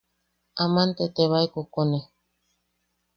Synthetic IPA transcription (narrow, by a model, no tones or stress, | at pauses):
amant̪et̪eβajkokone